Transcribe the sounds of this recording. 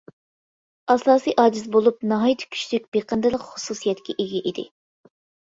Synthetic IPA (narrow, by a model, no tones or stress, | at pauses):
ɑsˠɑːsɨjʔɑːd͡ʒizbolˠup̚nɑɦɑjt̪ʰkʲʰy̥ʃlyk̚ʲb̥eqənd̪ɨlˠəqχususijɛt̪kʲʰɛʔeɡʲɛʔid̪ɪ̰